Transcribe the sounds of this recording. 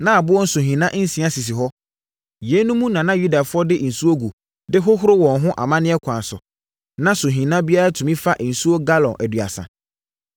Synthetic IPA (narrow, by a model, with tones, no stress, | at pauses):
nã˦a˨bʊ˦ɔ˦n̩˦sʊ˨ɦĩ˨nã˦n̩˦sĩ˦ã˦si˨s̬ɪ˨ɦɔ˦ | jɛ˨˦nũ˦mũ˦nã˨nã˦ju˦da˨fʊ˦ɔ˦dɪ˦˨n̩˨su˦o˦ɡu˨ | dɪ˦ɦʊ˦ɦʊ˦ɾo˦wɔ̃˨nɦʊ̃˦ʔa̰˨mã˦nɪ̃˦ɛ˦kʷʰã˨n˨sʊ̰˨ | nã˦sʊ˨ɦĩ˨nã˦bi˦a˦ɾa˦tʰu˨mĩ˦fa˦ʔn̩˨su˦o˦ɡa˦lɔ̃˨nʔæ˨dɥa̰˨sã̰˨